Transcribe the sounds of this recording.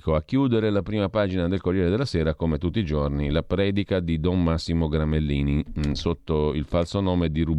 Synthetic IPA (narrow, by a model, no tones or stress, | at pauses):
koakːjuːd̪eɾelapɾiːmapaːd͡ʒinad̪elkorjɛːɾed̪elːasɛːɾakomet̪ut̪ːiːd͡ʒornilapɾɛːd̪ikad̪id̪ɔmmasːimoɡɾamelːiːnisot̪ːoilfalsonoːmed̪iɾu